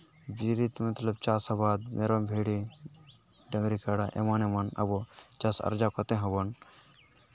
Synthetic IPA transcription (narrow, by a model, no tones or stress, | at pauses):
biːɾit̪mɐt̪ləbt͡ʃaːsabaːd̪̚meːɾombʱeːɽi | ɖɐŋɡɾikaɽaʔḛmaːnemɐnɐ̰bot͡ʃɐsɐ̰ɾd͡ʒakot̪eɦɐbɐn